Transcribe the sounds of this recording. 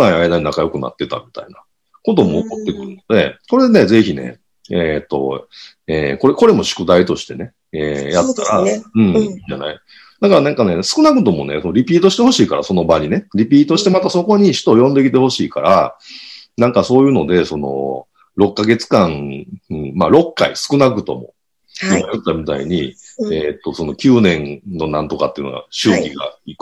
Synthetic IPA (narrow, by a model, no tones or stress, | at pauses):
naiaid̪aɲinakajo̞kɯ̟na̰t̪ːe̞t̪a̰mʲi̥t̪a̰ina | ko̞t̪̬o̞mo̞ːkot̪ːe̞kɯ̟ɾɯ̟no̞d̪e̞̰so̞ɾe̞d̪ene̞ze̞çine̞̰ | et̪ːo̞̰ | ḛːko̞ɾeko̞ɾe̞mo̞ɕɨ̥kɯ̟d̪ait̪o̞ɕi̥t̪e̞ne̞ | ejat̪t̪aɾaɯ̟̃ɴiːɲd͡ʑa̰na̰i | d̪akaɾanãŋkane̞sɨ̥kɯnakɯ̟t̪o̞mo̞̰ne̞̰sonoɾʲipʲiːt̪o̞ɕit̪eho̞ɕiːkaɾa̰so̞no̞baɲʲine̞ɾʲip̬ʲiːt̪o̞ɕi̥t̪e̞mat̪aso̞ko̞ɲ̟iɕi̥t̪o̞ːjõ̞nd̪e̞kʲit̪e̞ho̞ɕiːka̰ɾa̰ | nãŋkaso̞ːjɯ̟ːno̞d̪e̞so̞no̞̰ | ɾo̞kkːaɡe̞t͡sɨ̥kãŋɯ̟̃maɾo̞kːa̰isɨ̥kɯ̟nakɯ̟t̪o̞̰mo̞̰ | inojot̪ːamʲit̪a̰ḭɲ̟iet̪ːo̞so̞no̞kʲɨːnẽ̞nno̞nãnt̪o̞kat̪ːeiɯ̟noa̰ɕɨːkʲiɡa̰ikɯ̟̥